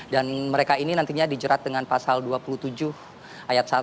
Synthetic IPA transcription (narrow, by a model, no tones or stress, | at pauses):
danməɾekaininant̪iɲadid͡ʒəɾat̪̚dəŋanpasalduapulut̪ud͡ʒʊh | ʔajat̪̚sa